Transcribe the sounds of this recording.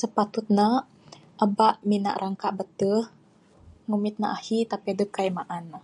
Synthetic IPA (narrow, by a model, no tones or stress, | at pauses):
səpat̪ut̪̚na | ʔəbaʔmina̰ʔɾʔaŋkaʔbət̪əh | ŋumit̪̚na̰ʔahit̪apiadəp̚kajmaʔan